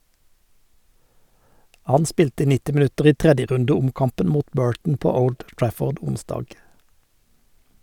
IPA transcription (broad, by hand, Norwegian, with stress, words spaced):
ˈhɑn ˈspiːltə ˈnɪtɪ mɪˈʉtəʁ ˈiː ˈtʁɛdjəˌʁʉndəˌʊmkɑmpən ˈmuːt ˈbøːɹʈɳ̩ ˈpoː ˈəʊld ˈtɹæfɔʁd ˈʊnˌsdɑːɡ